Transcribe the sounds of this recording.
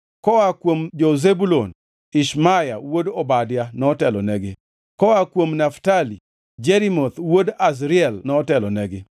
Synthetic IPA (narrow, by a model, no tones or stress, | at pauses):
kɔwakwomd͡ʒozebulon | ɪʃmaja̰wodobadjanɔtɛlɔ̰nɛɡɪ | kɔakwomnaftali | d͡ʒeɾimot̪wodas̬ɾiɛlnɔtɛlɔnɛɡɪ